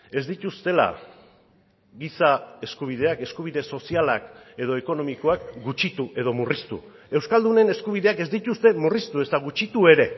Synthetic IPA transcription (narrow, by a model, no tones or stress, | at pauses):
e̞zd̪it̪ust̪e̞la̰ | ɣisae̞skuβ̞iðe̞ake̞skuβ̞iðe̞so̞siala̰ke̞ð̞o̞eko̞no̞miko̞ak̚ɡut͡ʃit̪uʔe̞ðo̞murist̪ṵ | e̞wskald̪une̞ne̞skuβ̞iðe̞ake̞zd̪it̪ust̪e̞murist̪ue̞st̪aɣ̞ut͡ʃit̪ue̞ɾe̞